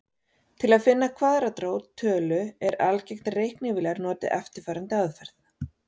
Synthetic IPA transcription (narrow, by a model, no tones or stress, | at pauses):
t̪ʰɪlaðfɪnːakʰvaːðɾat̪ɾoːwt̪ʰœːlʏɛɾalcɛjxt̪rejhknɪvɪlɛɣaɾnɔːt̪ɪ̰ʔɛft̪ɪɾ̥faːɾant̪ɪaðfɛɾ̥θ